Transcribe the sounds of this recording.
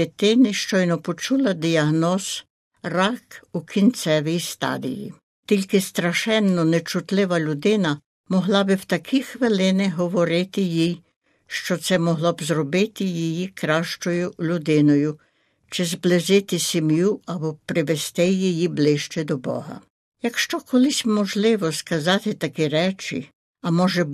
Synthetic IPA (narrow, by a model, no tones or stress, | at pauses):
et̪ɪnɪʃt͡ʃɔjnɔpɔt͡ʃulˠɐd̪ʲiɐɦnɔz̥ | rɑkukʰʲint͡ssɛʋʲijst̪ɑ̰d̪ʲḭjḭ | t̪ʲilʲkɪst̪ɾɐʃɛnːɔnɛt͡ʃʊt̪lˠɪʋɐlʲʊd̪ɪnɐ | mɔɦlˠɑbɪwt̪ɐkʰixʋɪlˠɪnɪɦɔʋɔɾɪt̪ɪjij | ʃt͡ʃɔt̪sɛmɔɦlˠɔbzrɔbɪt̪ɪjijikɾɑʃt͡ʃɔjʊlʲʊd̪ɪnɔjʊ | t͡ʃɪzblˠɪʒɪt̪ɪsʲimjuɐbɔpɾɪʋest̪ɪjijiblˠɪʃt͡ʃɛd̪ɔbɔ̰ɦɐ̰ | jɐkʃt͡ʃɔkɔlˠɪsʲmɔʒlˠɪʋɔskɐzɑt̪ɪt̪ɐkɛɾɛt͡ʃɪ̰ | ɐmɔʒɛ